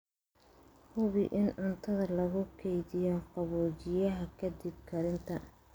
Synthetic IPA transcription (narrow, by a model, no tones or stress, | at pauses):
hʊβɪʔɪnʊnt̪ʰɐðɐlɐɣʊkʰɛjðɪjɔqɑβɔːt͡ʃɪjɐɦɐkʰɐd̪ɪb̚kʰɐɾɪnt̪ʰɐ